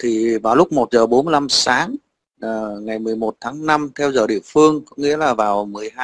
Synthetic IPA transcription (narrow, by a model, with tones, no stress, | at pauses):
t̪ʰi˨˩vaː˨˩wlʊ˦˥k͡p̚mo˨˩t̚zəː˨˩ɓo˨˦nmɨ˧˩la˧msaː˨˦ŋː˨˩ | ŋa˨˩jmɨ˨˩əjmo˨˩t̚t̪ʰaː˨˦ŋna˧mt̪ʰɛ˧wzəː˨˩ɗḭ˧˨əfɨ˧əŋkɔ˨˦ŋḭ˧˥əlaː˨˩vaː˨˩wmɨ˨˩əjɦaː˧